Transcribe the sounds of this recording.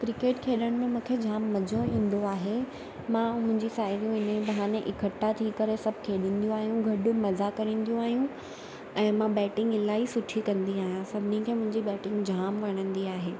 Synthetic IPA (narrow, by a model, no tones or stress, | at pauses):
kɾɪkeːʈkʰeːɗəɽ̃mẽmũːkʰed͡ʑʱaːmːɐd͡ʑʱoĩːn̆d̪oaːɦe | mãmʊ̃ɦɪ̃ɲd͡ʑisaːɦɪɾijũɪnbɐɦaːneʔɪkʰəʈːat̪ʰiːkɐɾesɐbʱkʰeːɗĩːn̆d̪ijũaːɦijũɡʱɐɗʊ̆mɐzakɐɾĩːn̆d̪ijũaːɦijũ | ɛ̃ːmãbɛːʈɪ̃ŋɡɪlaːisʊʈʰikɐ̃nd̪iaːɦijãsɐbʱɪnikʰeːmʊ̃ɦɪ̃ɲd͡ʑibɛːʈɪ̃ŋɡd͡ʑʱaːmʋɐɽ̃ə̃nd̪iaːɦeː